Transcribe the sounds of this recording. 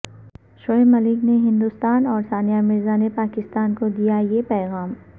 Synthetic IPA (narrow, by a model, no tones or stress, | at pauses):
ʃoːemɐlɪkneɦɪ̃nd̪ʊst̪aːnɔːɾsaːnijamɪɾzanepaːkɪst̪aːnkod̪ijajepɛːɣaːm